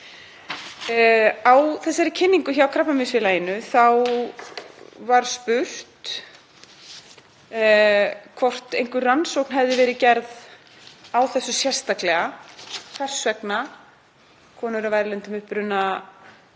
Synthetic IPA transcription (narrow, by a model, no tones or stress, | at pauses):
awθɛsːaɾɪcʰɪnːiŋkʏçaawkʰɾapnamɪsfɪlajɪnːʏθaw | vaɾ̥spʏr̥t̪ | kʰvɔr̥t̪ejŋkʏɾransowknɦɛvðɪvɛːɾɪcɛɾð | awθɛsːʏsjɛr̥st̪aklɛɣakʰar̥svɛkna | kʰɔːnʏɾavajɾɪlɛnt̪ʏmʏhpɾʏnːa